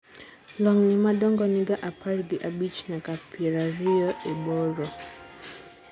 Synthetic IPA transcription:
lɔŋnɪmadɔŋɡɔniɡaʔapʰaɾɡiʔabit͡ʃnakapʰɛɾaɾiɔʔebɔɾɔ

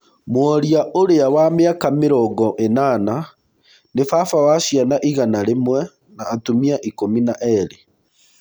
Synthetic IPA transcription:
mwɔɾiaʔoɾeawameakameɾɔɡɔʔenana | nefafawaʃijanaʔiɣanaɾemwɛ | naːtumiaʔikominaʔɛɾe

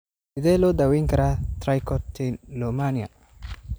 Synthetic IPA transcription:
ɪd̪ɛlɔd̪awiŋkɐɾat̪ɾajkɔt̪inlɔmanija̰

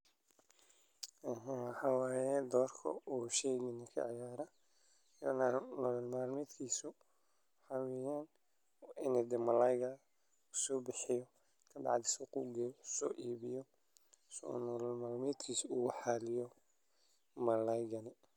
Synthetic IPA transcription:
ɐɦãwɑħɑːwaːjɛd̪ɔːrkʰɐ̰uːʃɛjɡɪnɐkʰɐ̰ʕa̰jaːɾɐ | jɔ̰nanɔlɔlmaːlmɛːd̪kʰiːsʊ | ħɑwɛjaːn | ɪnɛd̪ɛmɐlajɣɐ | ʊsɔːbɪħɪjɔ | kʰɐdɑ̰ʕd̪ɪsɐquːɡɛːjɔsɔːʔiːβɪjɔ | snɔlɔlmaːlmɛːd̪kʰiːsuħɑlɪjɔ | mɐlajɡɐnɪ

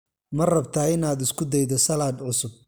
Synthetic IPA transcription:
mɐrɐbt̪ʰaːɪnaːd̪ɪskʰʊd̪ɛjd̪ɔsɐlaːd̪ʕʊsʊb̚

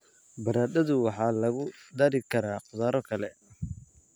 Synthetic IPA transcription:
bɐɾaːd̪ɐðʊwɑħɑːlɐɣʊd̪aːɾɪkʰɐɾaːqʊðaːɾɔkʰɐlɛ

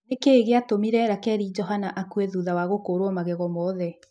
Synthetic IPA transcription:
ekeːɣeatomiɾɛɾakɛɾid͡ʒɔɦanaʔakueðuðawaɣokoɾwɔmaɣɛɣɔmɔðɛ

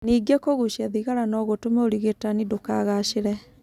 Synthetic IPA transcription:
niːɡekoɣuʃiaðiɣaɾanɔɣotomɛoɾiɣetanidokaɣaʃeɾɛ

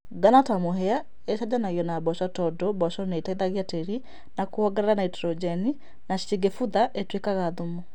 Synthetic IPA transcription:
ɡanatamoɦɛa | eʃad͡ʒanaɣiɔnabɔʃɔtɔdɔbɔʃɔneitaiðaɣjateɾi | nakuɔɡɛɾɛɾanaitɛɾɔd͡ʒɛni | naʃiɡefuðaʔetwekaɣaðomo

